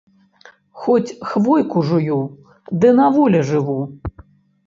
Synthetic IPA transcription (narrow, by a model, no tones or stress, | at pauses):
xɔt͡sʲxvɔjkuʐuju | d̪ɨnavɔlʲɐʐɨvu